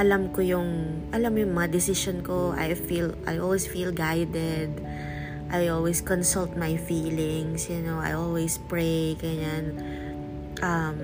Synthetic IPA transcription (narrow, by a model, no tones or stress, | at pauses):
ʔɐlamkojʊŋʔɐlamjʊŋmɐŋɐd̪ɪsɪʃonkoʔa̰jfiːlʔajʔolwisfiːlɡajd̪ɛd̪ | ʔajʔolwiskɔnsult̪̚majfiːlɪŋsjʊnowa̰jʔolwespɹejkɐjan | ʔɐm